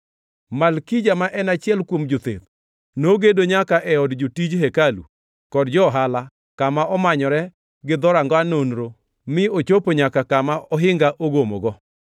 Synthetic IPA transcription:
malkid͡ʒamaʔɛnat͡ʃɪɛlkwomd͡ʒot̪ḛd̪ | noɡedoɲakaʔɛɔdd͡ʒotid͡ʒɦekalṵ | kɔdd͡ʒɔɦala | kamaʔɔmaɲɔɾɛ | ɡɪd̪ɔɾaŋɡɔanonɾo | mɪot͡ʃopoɲakakamaɔɦɪŋɡaʔoɡomoɡɔ

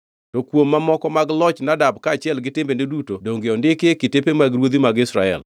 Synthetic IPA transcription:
tokwomːamɔkɔmaɡlɔt͡ʃnadab̚kaːt͡ʃɪɛlɡɪtembendedutodoŋɡeɔndɪkekɪtepemaɡɾwod̪imaɡɪsɾa̰ɛ̰l

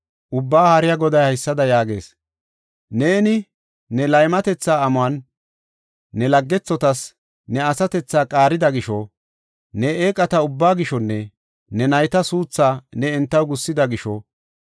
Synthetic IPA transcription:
ʔʊbːaːhɐɾɪjɐɡɔd̪ɐjɐɪsːɐd̪ɐjaːɡe̞̰ːs | ne̞ːnɪ | nɛlɐjmɐt̪ɛt͡sːaːɐmʊɐn | ɛlɐɡːɛt͡sːɔt̪ɐs | nɛɐsɐt̪ɛt͡sːaːkʼaːɾɪd̪ɐɡɪʃɔ | nɛeːkʼɐt̪ɐʊbːaːɡɪʃɔnːɛ | nɛnɐjt̪ɐsuːt͡sːaːnɛɛnt̪ːɐwɡʊsːɪd̪ɐɡɪʃɔ

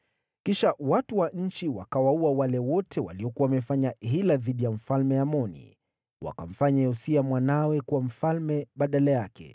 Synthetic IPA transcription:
kiʃawatuwaɲ̩t͡ʃiwakawauawalɛwɔtʰɛwa̰liɔkuwawamɛfaɲaɦilaðiɗijam̩falmɛjamɔnḭ | wa̰kam̩faɲaɔsiamwanawɛkuwam̩falmɛɓaɗalajakɛ̰

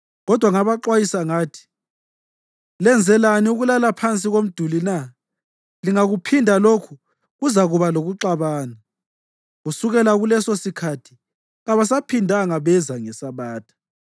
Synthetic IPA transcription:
ɣɔd̥ʱwaŋaβaǃwajisaŋaːtʰi̥ | lɛnd͡zʱɛlaniuɣulalapʰant͡sʼiɣom̩d̥ʱulina | liŋaɣupʰindʱalokʰu | ɣuzaɣuβaloɣuǁaβaːna | ɣusuɣɛlaɣulɛsosikʰatʰi̥ | ɣaβas̬apʰindʱaŋaβɛzaŋɛsaβaːtʰḁ

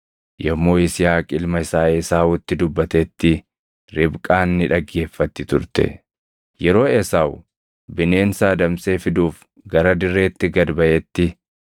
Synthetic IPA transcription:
jɐmːo̞ːɪsɪjaːkʼɪlmɐɪsaːesaːwʊt̪ːɪd̪ʊbːɐt̪ɛt̪ːɪ | ɾɪbkʼaːnːɪᶑɐɡːe̞ːfːɐt̪ːɪt̪ʊɾt̪ɛ̰ | jɛɾo̞ːɛsaːw | bɪne̞ːnsaːd̪ɐmse̞ːfɪd̪uːf | ɡɐɾɐd̪ɪrːe̞ːt̪ːɪɡɐd̪bɐʔɛt̪ːɪ

